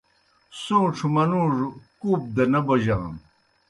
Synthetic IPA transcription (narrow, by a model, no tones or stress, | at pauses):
sõːʈ͡ʂʰumɐnuʐkuːp̚d̪ɐnɐbɐʑa̰n